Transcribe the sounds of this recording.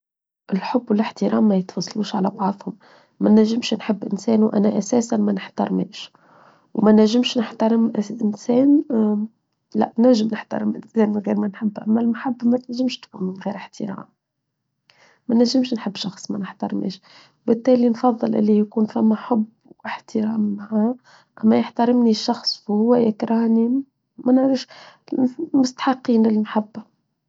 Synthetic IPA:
ʔɪlħʊbːwɪlɪħt̪əɾɑːmːæjət̪fɑsˤluːʃʕalæbɑʕðˤhʊm | mænːæʒːɪmʃnħɪbːʔɪnsɛːnwʔæ̰næʔæsæːsanmænəħt̪ɑɾˤmɛ̰ːʃ | wmænæʒːɪmʃnəħt̪ɑɾˤɪmʔʔɪnsɛːn | læ̰ʔnæʒəmnəħt̪ɑ̰ɾˤəmʔɪ̰nsɛːnwɣiːɾmænħɪbːʔæ̰mːælmħabːmæt̪næʒːɪmʃt̪kʊnmɪnɣiːɾɪħt̪əɾɑ̰ːm | mænæʒːɪmʃnħɪbːʃɑxsˤmænəħt̪ɑɾˤmʔḛːʃ | wbɪt̪ːæːlinfɑðˤːɨlʔɪ̰lːijkuːnfæmːæħʊb | ʔɪħt̪əɾɑːmːaʕa | ʔæmːæjəħt̪ɑɾɪmniʃɑxsˤfhʊwːæjɪkɾˤɑhni | mænəʕɾəfʃ | mʊst̪ḁħɑqːiːnlɪlmaħabːa

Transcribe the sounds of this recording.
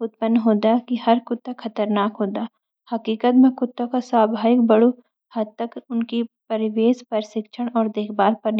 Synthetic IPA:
ʊt̪̚pənːɦoːd̪akihɐɾkʊt̪ːakʰɐt̪əɾnaːkɦoːd̪aː | hɐkiːkət̪mẽkʊt̪ːãkasaːbʱaːɪk̚bɐɽu | hɐd̪̚t̪ːɐkʊnkipɐɾɪʋeːspɐɾsɪkʃʰəɽ̃ɔːɾd̪eːkʰbaːɾpɐɾn

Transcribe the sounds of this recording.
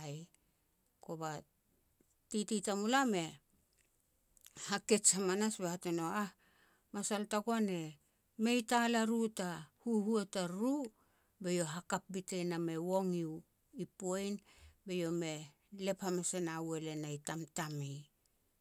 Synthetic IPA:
j | ko̞ba | tititamulame̞ | hake̞t͡ʃamanasbehateno̞ah | masaltakoane̞ | me̞jtalaɾutahuhuetaɾu | be̞jo̞ɦakap̚bitename̞wo̞ŋiw | ipojnbe̞jo̞me̞ | le̞phamasenawe̞le̞najtamtamej

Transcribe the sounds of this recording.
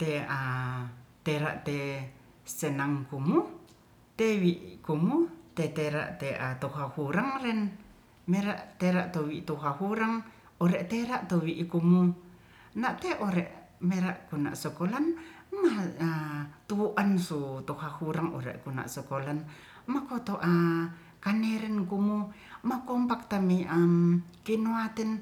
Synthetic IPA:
t̪ea | t̪eɾa̰ʔt̪e | sɛnaŋkumu | t̪ewiʔkumut̪et̪eɾa̰ʔt̪eʔat̪ohɦahuɾaŋrɛn | meɾaʔt̪eɾaʔt̪owiʔt̪uɦahuɾaŋ | ɔɾɛʔt̪eɾaʔt̪owiʔkumu | naʔt̪eʔoɾɛʔ | meɾaʔkuna̰ʔsɔkolanmaat̪uuʔansut̪uhahuɾaŋɔ̰ɾɛ̰ʔkuna̰ʔsɔkolan | makot̪oʔa | kanɛɾɛnkumu | makɔmpak̚t̪amiʔamkinuat̪ɛn

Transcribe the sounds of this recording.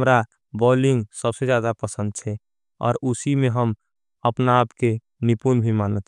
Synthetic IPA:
mɾa | bɔːlɪ̃ŋɡsəbsed͡ʒjaːd̪apəsə̃nd̪̚t͡ʃʰɛ | ɔ̰ːɾusimẽɦəm | əpnaːpke | nipunbʱimaːnət̪ɛ

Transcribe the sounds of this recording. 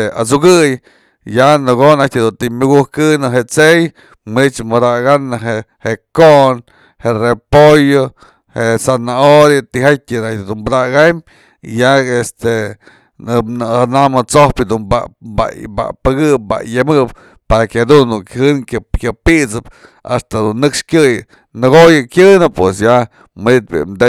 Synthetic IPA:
a̰t͡suɡɨj | janɨɡonat̪ʲd̪unt̪imuɡuhkɨnɨɦeʔt͡sej | mɨnit͡ʃmɨd̪aɡanɨɦe | heʔkoʔn | herepojo | heʔsanaoɾjat̪iɦatʲinad̪unbad̪aɡam | jaest̪e | nɨnɨanamɨt͡sohpɨd̪unba̰ba̰ba̰pɨɡɨp̚ba̰jamɨʔp | paɾakʲad̪unːukhɨnkkʲapiʔt͡sɨp | a̰st̪ad̪unːɨkʂkʲɨj | nɨɡojɨkʲɨnɨpːwesja | mɨnit̪̚bḭmd̪e

